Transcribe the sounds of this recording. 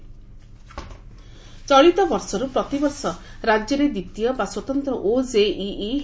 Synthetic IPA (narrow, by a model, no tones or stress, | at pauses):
t͡ʃɔɭit̪ɔbɔɾsɔɾupɾɔt̪ibɔsɔɾad͡ʒjɔɾed̪it̪ijɔbaswɔt̪ɔnt̪ɾɔʔod͡ʒeʔiː